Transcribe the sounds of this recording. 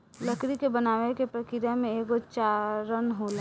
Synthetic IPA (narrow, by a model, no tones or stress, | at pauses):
ləkɾikebənaːwekepɾəkɪɾjamẽeːkot͡ʃaɾənɦolẽ